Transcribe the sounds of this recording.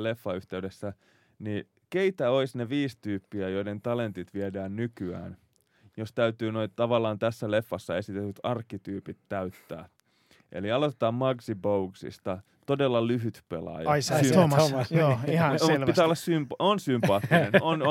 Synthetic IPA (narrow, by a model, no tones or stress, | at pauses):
lefːɑyht̪eydesːæ | ni | keit̪æoisneʋiːst̪yːpːiæjoident̪ɑlent̪it̪ʋiedæːnnykyæ̰ːn | jost̪æyt̪yːnoit̪ɑʋɑlːˑɑːnt̪æsːælefːɑsːɑe̞sit̪et̪ːyt̪ɑrkːˑit̪yːpit̪ːæyt̪ːæ̰ː | ʔḛliɑlot̪et̪ɑːmmɑɡsibouɡsḭst̪ɑ | t̪odelːɑlyɦyt̪pḛlɑ̰jsooiɑlpiæːolːɑssymponsympɑːt̪ːinenon